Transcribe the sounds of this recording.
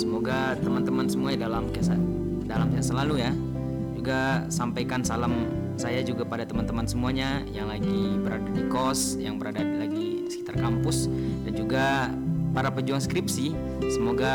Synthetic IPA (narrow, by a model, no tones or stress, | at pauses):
səmoɡat̪əmant̪əmansəmuaɲadalamkesa | dalamkeasalaluja | d͡ʒuɡasampajkansalam | sajad͡ʒuɡapadat̪əmant̪əmansəmuaɲajaŋlaɡibəɾadadikɔs | jaŋbəɾadalaɡisəki̥t̪arkampʊsdand͡ʒuɡa | paɾapəd͡ʒuaŋskɾipsi | səmoɡa